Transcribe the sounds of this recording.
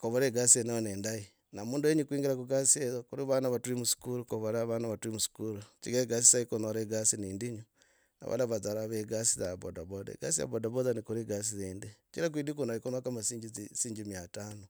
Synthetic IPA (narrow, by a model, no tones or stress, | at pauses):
koβoɾeɡasieneoneːndai | namuːndueɲikwiːŋɡeɾakuɡasieðokuɾiβanaβatuɾimusu̥kuɾukoβoɾaβanaβatuɾimusu̥kuɾut͡ʃiɡeɡas̬isaikonoɾeɡasiniːndiɲu | na̰βa̰laβazaɾaβeɡasizaβo̰daβodḛɡa̰sija̰βodaβozanikuɾiɡas̬izendet͡ʃiɾak̬wiːdikunaikonakamasiːɲd͡ʒisiːɲd͡ʒimiataːno